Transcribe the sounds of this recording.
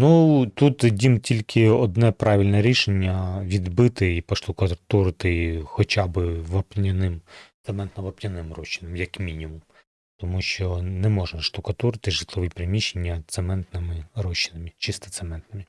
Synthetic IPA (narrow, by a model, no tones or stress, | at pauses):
nut̪ut̪dʲimtʲilʲkʰɪɔd̪nɛpɾɑʋʲilʲnɛɾʲiʃenʲːɐʋʲid̪bɪt̪ɪipɐʃt̪ʊkɐt̪uɾɪt̪ɪxɔt͡ʃʲɑbɪʋɐpnʲɐnɪmt̪sɛmɛnt̪nɐʋɐpnʲɐnɪmrɔʃːinɐmjɐkmʲinʲimum | t̪ɔmuʃt͡ʃɔnɛmɔʒnɐʂt̪ʊkɐt̪uɾɪt̪ɪʒɨt̪lˠɔʋɨpɾɪmʲiʃːenʲːɐt̪sɛmɛnt̪nɪmɪrɔʃːɪnɐmʲit͡ʃɪst̪ɐ̥t̪sɛmɛnt̪nɪmʲi